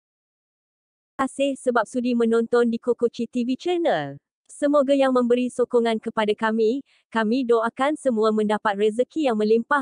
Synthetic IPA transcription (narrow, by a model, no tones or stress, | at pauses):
ʔasɪhsəbap̚sudimə̃nɔ̃nt̪ɔndikokot͡ʃit̪ivit͡ʃənəl | səmoɡajaŋmə̃mbəɾisokɔŋãnkəpadakamĩ | kamĩdoakansəmũamə̃ndapat̪̚rɛzəkʰijaŋmə̃limpa